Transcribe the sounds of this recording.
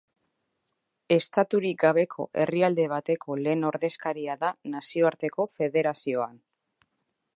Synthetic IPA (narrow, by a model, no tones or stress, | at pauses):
e̞st̪at̪uɾik̚ɡaβ̞e̞kʰo̞̰ʔe̞̰riald̪e̞β̞at̪e̞kʰo̞le̞ːno̞ɾðe̞skaɾiaðanasio̞aɾt̪e̞ko̞fe̞ðe̞ɾasio̞an